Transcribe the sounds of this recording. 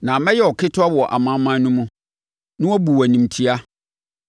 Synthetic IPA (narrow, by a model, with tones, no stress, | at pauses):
nã˨mɛ̃˦jɛ˦˨ɔ˨kʰɪ˦tʰʊ˦a˦wɔ˨ʔa̰˨mã˦mã˦nʊ̃˦mũ˦ | nʊ̃˦ɔ˦bu˨æ˨nĩ˨m˨tʰi˦a˦